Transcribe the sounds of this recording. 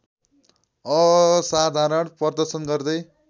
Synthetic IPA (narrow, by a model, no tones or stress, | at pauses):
ʌsad̪ʱaɾʌɳpʌrd̪ʌrsʌnɡʌrd̪ʌj